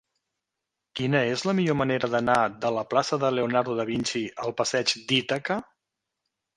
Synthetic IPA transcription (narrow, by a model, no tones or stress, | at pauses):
kinəezləmiʎoməneɾəðənaðələplasəðəleonaɾðuðəβinʲt͡ʃiəlˠpəsɛd͡ʒd̪it̪əkə